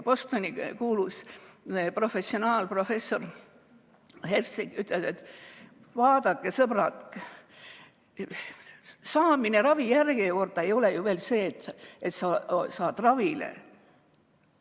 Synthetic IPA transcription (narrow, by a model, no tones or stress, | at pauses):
po̞st̪o̞nʲikuːlus | pro̞fe̞sːionɑːlpro̞fe̞sːo̞r | hersiɡyt̪ːˑled̪̥et̪ː | vɑːd̪ɑkːˑesɤb̥rɑt̪k | sɑːmine̞ɾɑvijærɡ̥eko̞rt̪ːˑɑejo̞lejuve̞ːlse̞ːt̪et̪sɑsɑːt̪rɑvilḛ